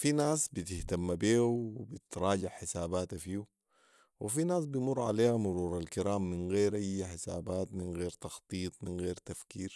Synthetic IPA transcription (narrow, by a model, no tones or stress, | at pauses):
finaːsbit̪ɪht̪amːabeːuwibit̪ɾˤɑːɟɪʕħɪsaːbaːt̪afiːu | wʔifinaːs̬bijmurˤːʕa̰leːhamʊɾuːɾˤalkiɾaːmːinɣeːɾʔajːaħɪsa̰ːbaːt̪minɣeːɾt̪ɑxt̪ˤiːt̪ˤminɣeːɾt̪afkiːɾ